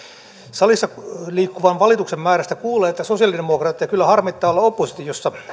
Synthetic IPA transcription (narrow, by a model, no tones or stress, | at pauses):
sɑlisːɑliːkːuʋɑnʋɑlit̪uksemmæːɾæst̪ækuːleːet̪ːæsosijɑliddemokrɑt̪ːijɑkylːæhɑrmit̪ːɑːolːɑopːosit̪ijosːɑ